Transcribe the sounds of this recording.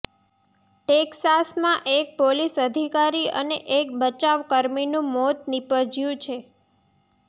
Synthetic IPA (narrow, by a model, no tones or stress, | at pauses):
eksasmãʔek̚polisəd̪ʱikaɾiə̰neʔek̚bət͡ʃaʋkəɾminũmot̪̚nipəɾd͡ʒjũt͡ʃʰe